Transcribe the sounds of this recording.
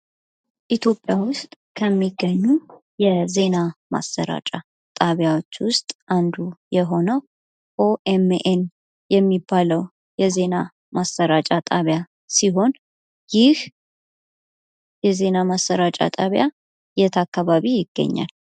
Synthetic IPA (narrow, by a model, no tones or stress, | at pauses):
ʔit̪ʰjo̞pʼjawʊst̪ʼ | kʰəmːiɡːəɲːu | jɛze̞nama̰sːə̰ɾa̰t͡ʃʼa | t̪ʼaβjawo̞t͡ʃːwʊst̪ʼʔand̪ujɛɦo̞nəw | ʔoʔemʔen | jɛmːibːaləw | jɛze̞na | masːəɾat͡ʃʼat̪ʼaβja | siɦo̞n | jɪh | jɛze̞namasːəɾat͡ʃʼa̰t̪ʼaβja | jɛt̪ʰakʰːaβaβijɪɡ̥ːə̰ɲːa̰l